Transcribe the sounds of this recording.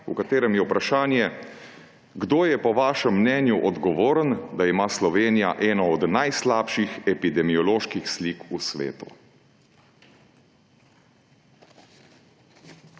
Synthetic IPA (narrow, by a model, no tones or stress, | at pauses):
ṵkat̪eːɾɛmjɛupɾaʃaːnjɛ | ɡd̪oːjɛpɔʋaːʃəmːnɛːnjuʔɔd̪ɡɔʋoːɾənd̪aimaːslɔʋeːnija̰ʔɛːnɔɔd̪najslaːpʃixɛpid̪ɛmiɔloːʃkixsliːkusʋḛːt̪u̥̰